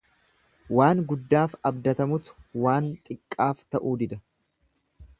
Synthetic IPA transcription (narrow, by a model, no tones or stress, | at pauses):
waːŋɡʊd̪ːaːfɐbd̪ɐt̪ɐmʊt̪ʊ̥waːnt̪ʼɪkʼːaːft̪ɐʔuːd̪ɪd̪ɐ